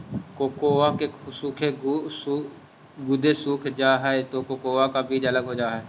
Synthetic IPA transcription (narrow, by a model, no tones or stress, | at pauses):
koːkoːaːkeːsuːkʰeː | ɡʊd̪eːsuːkʰd͡ʒaːɦɛɛt̪oːkoːkoːaːkaːbiːd͡ʒələɡɦoːd͡ʒaːɦɛː